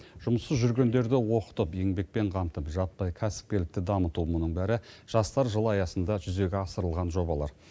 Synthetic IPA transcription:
ʒ̥ʊməsəzʒʏɾɡʲe̞nd̪e̞ɾd̪ɪwo̞qə̥t̪əpe̞ŋbe̞k̚pe̞ɴqʰɑmt̪əpʒɑt̪̚pɑjkʲʰæsɪ̥p̚kʲe̞lɪk̚t̪ɪd̪ɑmət̪umʊnəɴbæɾɪʒ̥ɑst̪ɑɾʒəlˠɑjɑsənd̪ɑʒʏze̞ɡʲeɑsəɾəlˠʁɑnʒo̞bɑlˠɑ̰ɾ

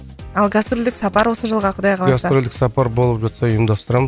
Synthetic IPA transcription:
ɑlˠɡast̪ɾolʲd̪ɪksɑpɑɾwo̞səʒəlˠʁɑqʰʊd̪ɑjqʰɑlˠɡast̪ɑɾolʲd̪ɪksɑpɑɾbo̞lˠəpʒɑt̪sɑʊjəmd̪ɑst̪əɾɑmə

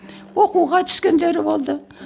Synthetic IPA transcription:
wo̞quʁɑt̪ʰʏ̥skʲend̪e̞ɾɪbolˠd̪ə

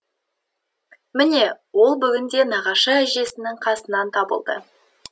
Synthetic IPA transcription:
mɪne̞wo̞lˠbʏɡʲɪnd̪e̞nɑʁɑʃəæʒe̞sɪnɪŋqʰɑsənɑnt̪ʰɑbə̰lˠd̪ə̰

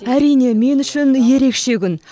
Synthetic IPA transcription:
æɾijne̞me̞nʏʃɪnje̞ɾe̞kʃe̞kʲʰʏn

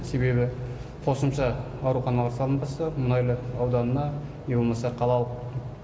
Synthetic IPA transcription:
se̞be̞bɪ | qʰo̞səmʃɑ | ɑwɾuχɑnɑlˠɑɾsɑlˠənbɑsɑmʊnɑjlˠəɑwd̪ɑnənɑ | ebolˠmɑsɑqʰɑlˠɑlˠəq̚

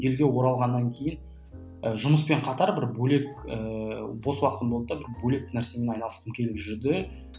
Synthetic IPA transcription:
je̞lɡʲe̞wo̞ɾɑlˠʁɑnːɑŋkʲʰe̞jɪn | əʒʊməspe̞ɴqʰɑt̪ɑɾbɪɾbɵle̞kəbo̞swɑqət̪əmbolˠp̚əd̪ɑbɪɾbule̞k̚næɾse̞menɑjnɑlˠəsəmkʲʰe̞lɪpʒʏɾd̪ɪ

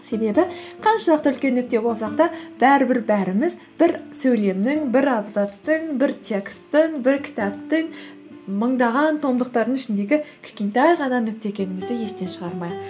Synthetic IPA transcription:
se̞be̞bɪ | qʰɑnʃɑləqt̪əʏlkʲe̞nːʏk̚t̪e̞bo̞lˠsɑqt̪ɑb̥æɾɪbɪɾbæɾɪmɪz | b̥ɪɾsɵjle̞mnɪŋbɪɾɑbzɑt̪st̪əɴbɪɾt̪ʲʰe̞kst̪əɴbɪɾkʲʰɪ̥t̪ɑp̚t̪ɪŋ | məɴd̪ɑʁɑnt̪ʰo̞md̪əq̚t̪ɑɾd̪əŋʏʃɪnd̪e̞ɡʲɪkʲʰɪ̥ʃkʲe̞nt̪æjʁɑnɑnʏk̚t̪ekʲe̞nɪmɪzd̪ɪje̞st̪e̞nʃəʁɑɾmɑjd̪ə

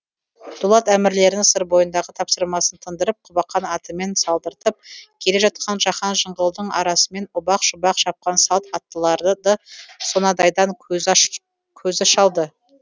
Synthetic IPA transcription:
d̪̥ulˠɑt̪æmɪɾle̞ɾɪŋsəɾbo̞jənd̪ɑʁət̪ʰɑpsəɾmɑsənt̪ʰənd̪əɾəp̚qʰʊbɑqːɑnɑt̪əme̞nsɑlˠd̪əɾt̪əp̚kʲʰe̞le̞ʒɑt̪̚qʰɑnʒɑχɑnʒəɴʁəlˠd̪əɴɑ̰ɾɑsəme̞nʊbɑqʒʊbɑqʃɑp̚qɑnsɑt̪ɑt̪ːəlˠɑɾd̪əd̪ɑso̞nɑd̪ɑjd̪ɑŋ | kʲʰɵzɪʃɑlˠd̪ə

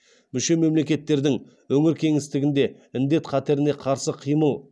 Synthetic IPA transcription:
mʏʃe̞me̞mle̞kʲe̞t̪ːe̞ɾd̪ɪŋ | wɵŋɪɾkʲʰe̞ŋɪst̪ɪɡʲɪnd̪e̞ | ɪnd̪e̞t̪qʰɑt̪e̞ɾɪne̞qʰɑɾsəqʰijməlˠ

